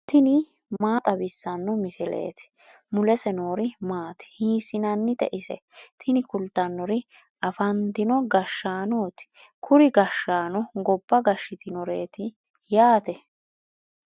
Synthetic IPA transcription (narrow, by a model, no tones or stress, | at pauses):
t̪ʰɪnɪ | maːt̪ʼɐbɪsːɐnːɔmɪsɪlḛːt̪ɪ̥ | mʊlɛsɛno̞ːɾɪmaːt̪ɪ̥hiːsɪnɐnːɪt̪ɛ̰ʔɪsɛ̰t̪ʰɪnɪkʊlt̪ːɐnːɔɾɪ | ɐfɐnt̪ɪnɔɡɐʃːaːnoːt̪ɪ̥ | kʰʊɾɪɡɐʃːaːnɔɡɔbːɐɡɐʃːɪt̪ʰɪnɔɾeːt̪ɪ | jaːt̪ɛ